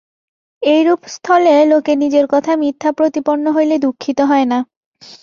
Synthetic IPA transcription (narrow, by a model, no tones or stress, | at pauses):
ejɾupst̪ʰɔlelokenid͡ʑeɾkɔt̪ʰamit̪ʰːapɾot̪iponːoɦojled̪ukʰːit̪oɦɔena